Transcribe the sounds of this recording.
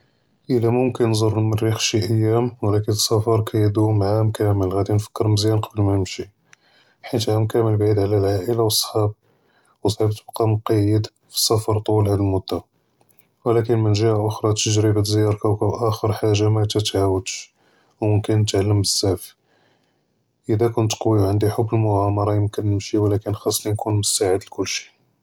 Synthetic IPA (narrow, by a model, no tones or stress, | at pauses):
ʔəlæmʊmkənːzˤoɾˤəlmərːixʃiʔəjːæmwlækənəsˤːɑfɑɾˤkʰæjəd̪umʕamkʰæməlɣæd̪infə̥kːəɾməzjænqɑbəlmænəmʃi | ħint̪ʕamkæməlbʕid̪ʕlælʕaʔəlawəsˤħɑb̚ | wəsˤɑbt̪əbqɑmʊqɑjːəd̪ | fi̥sˤɑfɑɾˤt̪ˤulhæd̪əlmʊd̪ːa | wlækənmənʒihaʔʊxɾˤɑt̪əʒɾibəd̪zjɑɾˤkæwkæbʔæxəɾˤħaʒːamæt̪æt̪ʕawəd̪ʃ | wməmkənːət̪ʕalːəmbəsːæf | ʔəd̪ækʊnt̪qwiwʕənd̪iħʊbːəlmʊʕɑmɑɾˤɑjəmkənːəmʃiwlækənxɑsˤːlinkunmʊsaʕəd̪lkʊlːʃi̥